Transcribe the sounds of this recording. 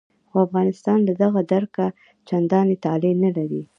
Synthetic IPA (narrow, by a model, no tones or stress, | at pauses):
xoafɣɑnɪst̪ɑnd̪ad̪aɣad̪aɾka | t͡ʃand̪ɑnet̪ɑlenalaɾi